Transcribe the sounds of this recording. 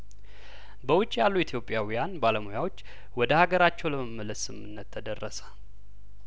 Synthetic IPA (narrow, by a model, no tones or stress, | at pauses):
bəwʊt͡ʃʼːjalːuit̪ʰjo̞pʼjawijanbaləmojawot͡ʃː | wɔd̪əhaɡəɾat͡ʃːɛwləməmːələsɨmɨnːət̪ʰːəd̪ərːəsə̥